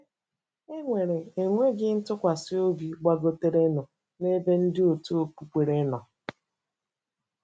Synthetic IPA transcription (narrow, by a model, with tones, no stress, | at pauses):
e˦ŋʷe˨ɾe˨e˨ŋʷe˦ɡɪ˦n̩˦tʊ˦kʷa˨sɪ˦o˦bi˨ɡ͡ba˦ɡo˦te˦ɾe˦nɔ˨ | ne˦be˦n̩˦dɪ˦o˨tu˦o˨pu˨k͡pʷe˨ɾe˦nɔ˨